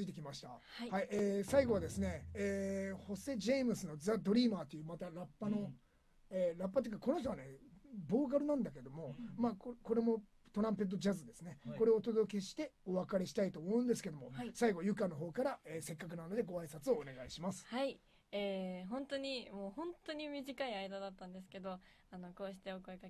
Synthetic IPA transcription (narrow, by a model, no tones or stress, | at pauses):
ɨit̪̬e̞kʲimaɕi̥t̪aahaieːsaiɡo̞β̞ad̪e̞sɨne̞ː | ho̞se̞ʑemɯ̟sɨno̞d͡zad̪o̞ɾʲimaːt̪ːo̞jɯ̟ːmat̪aɾapːano̞ | eɾapːat̪eikako̞noç̬t̪oane̞bo̞ːk̬aɾɯ̟nãnd̪ake̞d̪omo̞maːkko̞ɾe̞mo̞ | t̪o̞ɾãmpe̞t̪̬ːod͡ʑazɨd̪e̞sɨne̞ko̞ɾe̞oːt̪o̞d̪o̞k̬ʲe̞ɕi̥t̪e̞o̞βakaɾe̞ɕi̥t̪ait̪oːmo̞ɯ̟̃nd̪esɨ̥ke̞d̪o̞mo̞̰saiɡo̞jɯ̟kano̞ɦo̞ːkaɾaeːse̞kːak̬ɯ̟nano̞d̪e̞ɡo̞aisat͡sɨoːne̞ɡaiɕimasɨ̥hai | eːɦõ̞nt̪o̞ɲ̟imoːhõ̞nt̪o̞ɲ̟imʲiʑikaiaid̪ad̪at̪ːãnd̪e̞sɨ̥ke̞d̪o̞ | ano̞ko̞ːɕi̥t̪e̞okoika